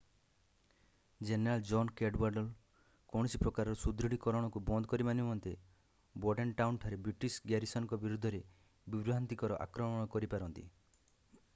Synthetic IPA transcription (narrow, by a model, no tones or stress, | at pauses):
d͡ʒeneɾald͡ʒɔnkeɖwaɾɖɔl | kɔɽ̃sipɾɔkaɾɔɾɔsud̪ɾiɽ̤ikɔɾɔɽ̃ɔkubɔnd̪ʱɔkɔɾimanimɔnt̪e | bɔɖenʈawnʈʰaɾebɾiʈisɡjaɾisɔnkɔbiɾud̪ʱːɔɾe | bibɾuɦant̪ikɔɾɔʔa̰kɾɔmɔɽ̃ɔkɔɾipaɾɔnt̪ḭ